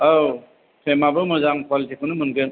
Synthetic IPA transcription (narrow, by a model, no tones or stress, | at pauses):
aw | pʰemabɯmɯzaŋkwalitʰikʰunɯmɯnɡeŋ